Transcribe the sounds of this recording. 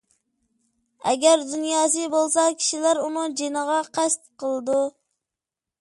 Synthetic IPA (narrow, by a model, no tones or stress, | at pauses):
ɛ̰ɡʲæɾd̪ynjɑːs̬ɨbolˠsɑkʲʰi̥ʃilæɾunɨŋd͡ʒenəʁɑqʰæst̪qʰəlˠɨd̪u